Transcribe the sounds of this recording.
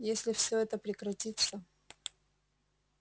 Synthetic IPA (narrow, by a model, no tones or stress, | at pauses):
jesʲlʲɪfsʲɵɛt̪əpɾʲɪkɾɐtʲit̪sə